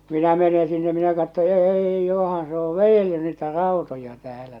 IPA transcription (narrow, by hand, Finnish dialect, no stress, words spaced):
minæ mene sinːe minæ kɑtːo eːi johɑn se o ʋejelːy niːtæ rɑˑutojɑ tæːlæ